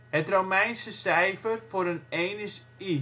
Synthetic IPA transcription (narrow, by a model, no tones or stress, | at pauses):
hətrowmɛjnsəsɛjfərfoɾənejnəs | i